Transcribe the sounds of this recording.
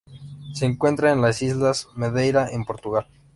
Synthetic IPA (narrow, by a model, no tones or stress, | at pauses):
se̞ːŋkwe̞nt̪ɾaenlasizlasmeðejɾaʔempo̞ɾt̪uɣal